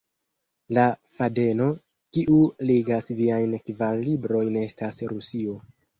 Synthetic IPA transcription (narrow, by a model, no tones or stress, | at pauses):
lafade̞no̞ | kiʔuliɡasviajnkvalːibɾo̞jnestasɾusio